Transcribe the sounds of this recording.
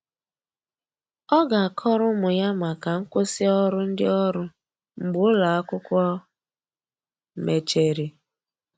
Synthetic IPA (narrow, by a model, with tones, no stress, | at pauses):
ɔ˦ɡa˨a˨kʰɔ˦ɾʊ˦mʊ˨ja˦ma˨ka˨ŋ̩˦kʷʊ˦sɪ˦ɔ˦ɾʊ˦n̩˦dɪ˦ɔ˦ɾʊ˦ | m̩˨ɡ͡bʊ˨˦la˨a˦kʊ˦kʷɔ˦ | me˨t͡ʃe˨ɾi˨